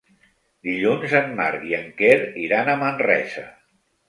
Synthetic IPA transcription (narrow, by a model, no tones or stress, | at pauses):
d̪iʎunzənma̰ɾɣiəŋkeɾiɾanəmənrɛ̰sə